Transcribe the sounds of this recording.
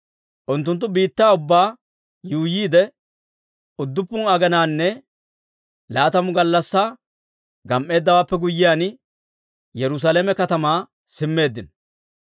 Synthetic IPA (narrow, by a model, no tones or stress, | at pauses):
ʔʊnt̪ːʊnt̪̬ːʊbiːt̪ːaːʊbːaː | juːjiːd̪ɛ | ʊd̪ːʊpːʊnɐɡɐnaːnːɛ | laːt̪ɐmʊɡɐlːɐsːaː | ɡɐmʔe̞ːd̪ːɐwaːpːɛɡʊjɪjaːn | jɛɾʊs̬aːlemɛkɐt̪ɐmaː | sɪmːe̞ːd̪ːɪn